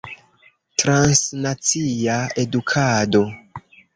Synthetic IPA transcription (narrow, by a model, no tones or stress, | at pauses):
tɾansnat͡siae̞dukʰado̞